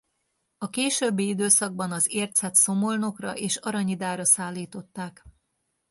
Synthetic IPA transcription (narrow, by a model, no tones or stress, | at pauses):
ɒkeːʃøbːiid̪øːsɒɡ̚bɒnɒzeːrt̪sɛt̪so̞mo̞lno̞krɒʔeːʃɒɾɒɲid̪aːɾɒsaːlːiːt̪o̞t̪ːaːk